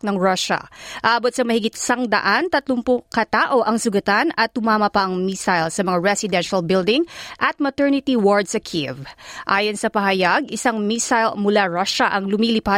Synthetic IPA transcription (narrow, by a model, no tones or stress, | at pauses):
nɐŋɹaʃɐ̰ʔaːʔbot̪̚sɐmɐhɪɡɪt̪ɪ̥sɐŋd̪ɐ̰ʔant̪ɐt̪lʊmpʊkɐt̪aːʔo̞ʔɐŋsʊɡɐt̪anɐt̪̚hʊmaːmɐpɐʔɐŋmisajlsɐmɐŋaɹɛsɪd̪ɛnʃɐlbɪld̪ɪŋʔɐt̪̚mɐt̪ɛɹnɪt̪iwoɹd̪sɐkʰivʔaːjonsɐpɐɦɐjaɡɪsaŋmisajlmʊlaɹaʃɐʔɐŋlʊmilɪpa